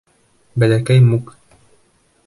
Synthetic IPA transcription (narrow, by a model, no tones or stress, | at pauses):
bælækæjmuk